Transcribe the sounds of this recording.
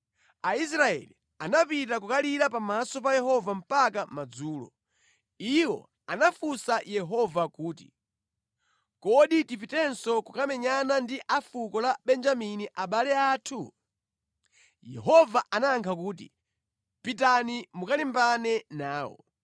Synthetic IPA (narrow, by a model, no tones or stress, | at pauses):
ais̬ɾaɛ̰li | anapit̬ak̬ukaliɾapamasɔp̬ajɛhɔvam̩pakamad͡zuːlɔ̰ | iwɔ̰ | anafusajɛɦɔvakuːti | kɔɗitipitɛnsɔkukamɛɲanandiʔafukɔlaɓɛnd͡ʒaminiʔaɓalɛaːtʰu | jɛ̰ɦɔvaʔanaŋkʰak̬uːtḭ | pitanimukalimbanɛnaːwɔ̰